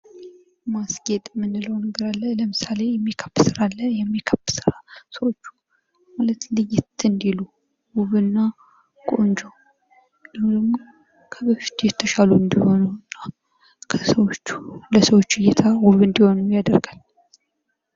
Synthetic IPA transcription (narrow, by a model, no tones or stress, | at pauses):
masɡet̪ʼmːɨnːɨləwnəɡəɾalːələmɨsale̞jɛmːikʰəpːsɨɾalːəjɛmːikʰəpːsɨɾasəwo̞t͡ʃːu̥ | malət̪lɨjɪt̪ɨnd̪ilu | wuβɨnːa | kʼo̞nd͡ʒow | dəd̪əmː | kʰəbɨʃt̪ʰujɛt̪ʰːəʃaluɨnd̪iho̞nunːa | kʰəsəwo̞t͡ʃːu̥ləsəwo̞t͡ʃːɪjɛt̪ʰawuβɨnd̪iho̞nujad̪əɾɡal